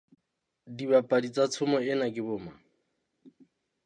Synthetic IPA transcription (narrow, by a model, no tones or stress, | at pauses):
dibapʼadit͡sʼat͡sʰʊmɔɪnakʼɪbʊːma